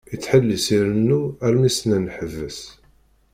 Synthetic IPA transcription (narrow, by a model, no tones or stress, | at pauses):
it͡sːħəlːisiɾənːuæɾmisnænħəvːəs